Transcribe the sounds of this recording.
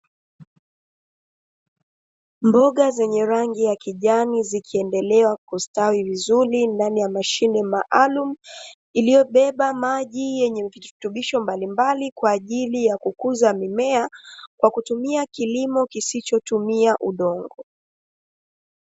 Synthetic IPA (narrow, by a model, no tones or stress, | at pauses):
mbɔɠazɛɲɛɾaŋɡijakiʄanizikʰiɛndɛlɛwakustawivizuɾindanijamaʃinɛmaʔalum̩ | ilijɔɓɛɓamaʄijɛɲɛvitutuɓiʃɔmbalimbalikwaːʄilijakukuzamimɛakwakutumiakilimɔkisit͡ʃɔtumiaʔuɗɔŋɡɔ